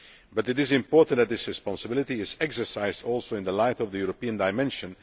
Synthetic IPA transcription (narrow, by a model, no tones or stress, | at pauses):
bʌtɨtɪzɪ̃mpɔɹʔntðæt̪̚ðɪsɹɨspɑ̃nsəbɪlˠɪtiɪzɛksə˞saɪzdɔlˠsoʊɪ̃nðəlaɪtɔvðəjuɹopiə̃ndaɪmɛ̃nʃɨ̃n